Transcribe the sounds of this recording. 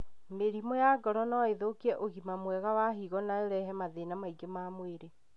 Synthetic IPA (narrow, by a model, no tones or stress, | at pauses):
meɾimɔjaɡɔɾɔnɔeðokiɛʔoɣimamwɛɣawaɦiɣɔnaoɾɛɦɛmaðenamaiɡemaːmweɾe